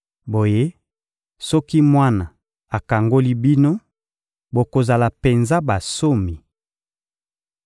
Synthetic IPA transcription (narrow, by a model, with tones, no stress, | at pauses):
bo˨je˦ | sɔ˦ki˦mwa˦na˨ | a˨ka˨ŋɡo˦li˦bi˦no˦ | bo˨ko˨za˨la˨pe˨nza˦ba˨so˦mi˨